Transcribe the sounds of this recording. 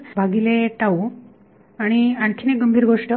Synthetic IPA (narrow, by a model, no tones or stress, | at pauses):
bʱaɡileʈau | aɽ̃iaɳt̪ʰineɡəmbʱiːɾɡoʂʈə